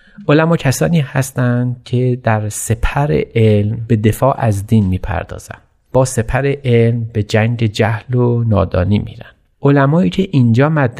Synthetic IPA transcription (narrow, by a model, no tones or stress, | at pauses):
ʔolæmɒːcʰæsɒːniːhæst̪ænd̪cʰe̞d̪æɾse̞pʰæɾḛʔelmbe̞d̪e̞fɒːʔæzd̪iːnmiːpʰæ̰ɾd̪ɒ̰ːz̥æ̰nd̪̥ | b̥ɒːse̞pʰæɾeʔelmbe̞d͡ʒæŋɟe̞d͡ʒæhlonɒ̰ːd̪ɒ̰ːniːmḭːɾænd̪̥ | olæmɒːiːcʰe̞ʔind͡ʒɒːmæd̪